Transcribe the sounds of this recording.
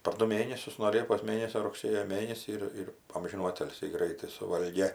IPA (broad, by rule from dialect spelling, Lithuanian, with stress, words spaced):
pɐr ˈdʊ ˈmʲeːnʲɛsʲʊs nuɔ ˈlʲiɛpoːs ˈmʲeːnʲɛsʲoː rʊkˈsʲeːjoː ˈmʲeːnʲɛsʲiː ɪr ˈɪr ˈɐmʲʒʲɪnuː ˈɑːtʲɪlʲsʲiː ˈɡrɐɪtɐɪ sʊˈʋɐlʲɡʲeː